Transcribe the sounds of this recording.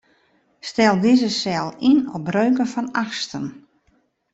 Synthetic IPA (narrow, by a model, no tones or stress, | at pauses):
stɛlˠdizəsɛlˠinɔbrøːkənfɔnaxstən